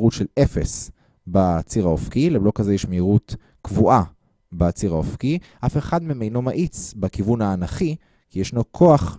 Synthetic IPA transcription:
ʁutʃelefes | bat͡siʁaofkileblo̞kazejɛʃmeiʁut | kvuʔa | beat͡siʁaofkiʔafe̞χadmimejno̞maʔit͡sbekivunhaːnaχi | kijɛʃnokʰo̞aχ

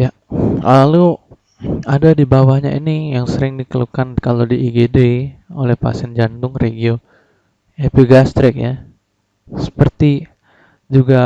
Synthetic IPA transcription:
ja | lalu | adadibawahɲa̰ḭnijaŋsəɾɪŋdikəlukankalodiːɡedeolɛhpa̰sɛnd͡ʒant̪ʊŋreɡio | epiɡast̪ɾɪk̚ja̰ | sə̥pərt̪i | d͡ʒuɡa

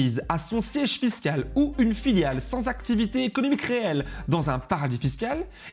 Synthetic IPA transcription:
izasɔ̃sjɛʒfiskʲaluynfiljalsɑ̃zakt̪ivit̪eːkɔnɔmikʁeɛld̪ɑ̃zɛ̃paʁad̪ifiskʲal

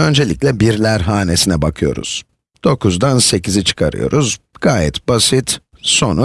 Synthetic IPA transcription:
ø̞nd͡ʒe̞lʲiclʲɛbiɾlʲæɾɦaːne̞sinɛbakʰɯjo̞̰ɾṵz̥ | d̪̥o̞kuzd̪anse̞cʰizit͡ʃʰɯ̥kʰaɾɯ̰jo̞̰ɾuzɡ̥aːjɛt̪basit̪ | so̞nu

